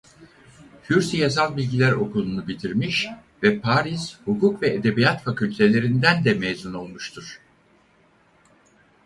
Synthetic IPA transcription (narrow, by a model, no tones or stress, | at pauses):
hyɾsijasalˠbilʲɟilʲæɾo̞̰kʰulˠunubit̪ʰiɾmiʃ | vɛpʰaːɾiz̥hukukvɛed̪e̞bijat̪facylʲt̪ʰe̞lʲe̞ɾind̪ænd̪ɛmejzuno̞lˠmuʃt̪ʰuɾ̥